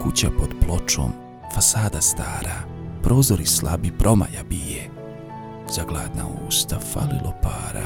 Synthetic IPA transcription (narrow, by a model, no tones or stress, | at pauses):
kut͡ɕapo̞d̪plo̞t͡ʃo̰ːm | fasaːd̪ast̪aːɾapɾʔo̞ːzoɾislabipɾʔo̞ma̰jabije | zaɡlˠaːd̪naoust̪afa̰lilˠʔopaːɾa̰